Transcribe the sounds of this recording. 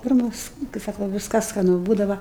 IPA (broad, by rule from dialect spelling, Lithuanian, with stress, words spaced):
ˈpʲɪrmɐs kɐɪ ˈsɑːkʊ ˈʋʲɪskɐs skɐˈnʊ ˈbuːdɐʋɐ